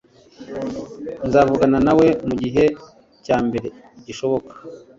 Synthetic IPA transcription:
nzaːvuɡananawe̞muɟiɦe̞ | caːmbe̞ɾe̞ | iɟiʃo̞βo̞kḁ

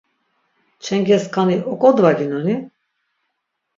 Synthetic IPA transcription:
t͡ʃʰɛŋɡɛskʰaniʔɔkʼɔd̪vaɡinɔni

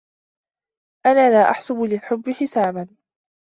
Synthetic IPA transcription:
ʔanaːlaːʔaħsʊbʊlɪlħʊbːɪħɪsaːban

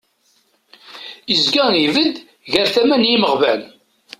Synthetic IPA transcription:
əzɡæivəd̪ | ʝæɾθæmænjiməʁvæn

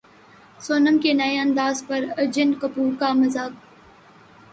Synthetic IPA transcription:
soːnəmkenɐeɐ̃nd̪aːzpɐɾɐɾd͡ʒɪnkɐpuːɾkamɐzaːk̚

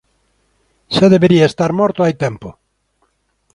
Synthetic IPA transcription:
ʃaðeβeɾiaest̪aɾmɔɾt̪oajt̪ɛmpʊ

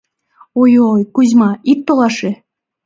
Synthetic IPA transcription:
ojojkuzʲmɑit̪̚ːolɑʃe

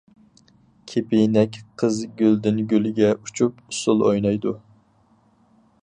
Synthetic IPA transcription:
kʲʰepɪnɛkʲqʰəzɡʲøld̪ɪnɡʲølɪɡʲɛut͡ʃʰupusʊlˠojnɑjd̪u

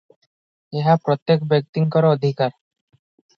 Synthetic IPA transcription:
eɦapɾɔt̪jekbek̚t̪iŋkɔɾood̪ʱikaɾ

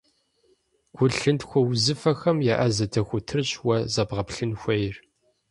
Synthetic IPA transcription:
ɡ̥ʷʊɬɨntxʷɔwzɨfɐxɐmjaʔɐzɐdʰɐxʷʊtʰɨrɕwɐzɐbʁɐpɬɨnxʷɐjɪr

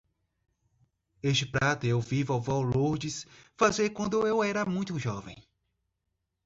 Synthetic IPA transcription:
eʃt͡ʃɪpɾat̪ʊewvivʊawvɔwloɾd͡ʒɪsfazeɾkwɐ̃nd̪ʊewɛɾɐmũj̃t̪ʊʒɔvḛ̃j̃

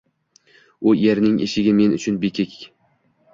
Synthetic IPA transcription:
ʊjeɾnɪŋʔeʃɪɡʲɪme̞nʊt͡ʃʰʊnbekʲʰɪkʰʲ

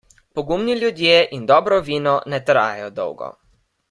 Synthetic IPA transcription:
pɔɡumnilʲjud̪jeʔind̪ɔːbɾɔʋiːnɔnɛt̪ɾa̰ːjɛjɔd̪ɔ̰wɡɔ̰

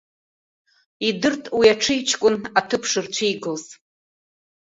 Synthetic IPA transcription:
idɨrtʼwiaʈ͡ʂʰɨjt͡ʃʰkʷʼʊnatʰɨpʰʂɨrt͡ɕʷʰejɡɨlz

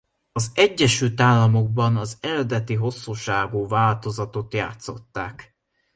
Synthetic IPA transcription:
ɒzɛɟːɛʃylt̪aːlːɒmo̞ɡ̚bɒnɒzɛɾɛd̪ɛt̪iɦo̞sːuʃaːɡuːvaːlt̪o̞zɒt̪o̞t̪ja̰ːt̪so̞̰t̪ːaːk

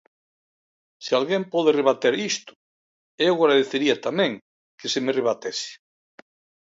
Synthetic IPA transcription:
sealɣempɔðereβ̞at̪eɾist̪ʊ̥ | ewɣɾaðeθeɾiat̪amẽŋ | kesemereβ̞at̪esɪ̥

